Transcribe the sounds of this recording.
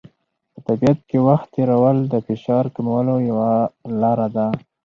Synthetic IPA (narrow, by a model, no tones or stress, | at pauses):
pət̪abiat̪̚kewaxt̪ːeɾawəld̪əfɪʃɑɾkamawalojawalɑɾad̪a